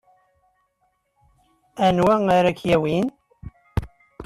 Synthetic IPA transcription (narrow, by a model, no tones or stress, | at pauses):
ænwæŋaɾækjæwin